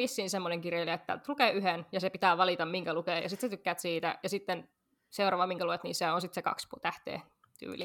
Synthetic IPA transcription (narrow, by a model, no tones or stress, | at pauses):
ʋisːiːnsemːoneŋkirjeliet̪ːæ̰t̪lukeːyɦenjɑsepit̪æːʋɑlit̪ɑmmiŋkælukeːjɑ̰sit̪set̪ykːæːt̪siːt̪æ̰jɑsit̪ːen | seurɑʋɑmiŋkæluet̪nḭːseonsit̪sekɑ̰kspuːt̪æht̪ḛː | t̪y̰ːlḭ